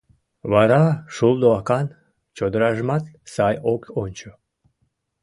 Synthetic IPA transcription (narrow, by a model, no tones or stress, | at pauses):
βɑɾɑʃuld̪oɑkɑn | t͡ɕod̪əɾɑʒmɑt̪sɑjokonʲt͡ɕo